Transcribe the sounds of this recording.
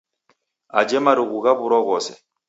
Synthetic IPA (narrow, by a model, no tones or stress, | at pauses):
a̰d͡ʒɛmaɾiɣuɣabuɾɔɣɔsɛ